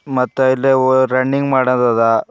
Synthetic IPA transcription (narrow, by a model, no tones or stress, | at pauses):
mɐt̪ːuilːeɾɐɳɖiŋɡmaːɽɐnd̪ad̪a